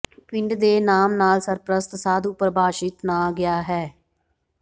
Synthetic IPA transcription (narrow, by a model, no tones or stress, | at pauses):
pɪɳɖd̪eːnaːmnaːlsəɾpɾəst̪saːd̪upəɾbʱaːʃɪt̪naːɡɪjaːɦɛː